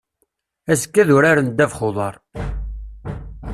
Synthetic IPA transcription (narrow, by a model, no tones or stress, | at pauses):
æsə̥kːæðʊɾaɾənd̪ævχoðˤɑɾˤ